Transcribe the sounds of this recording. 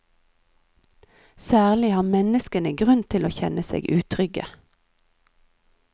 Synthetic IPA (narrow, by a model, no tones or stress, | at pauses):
sæːʁlɪhɑːmɛnəskənəɡʁʉnt̪ʰɪloːçɛnəsḛːɡʔʉːt̪ʰʁʏɡə̰